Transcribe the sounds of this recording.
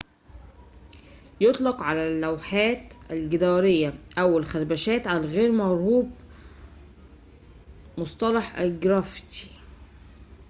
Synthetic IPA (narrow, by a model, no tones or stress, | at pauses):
jot̪ˤlɑqʕalælːæwħæːt̪ʔælɡɪd̪ɑːɾejːæʔæwːælxæɾbæʃæːt̪ʕalæɣeːɾmɑʕɾhuːb | mosˤt̪ˤɑlɑħʔæɡɾɑft̪i̥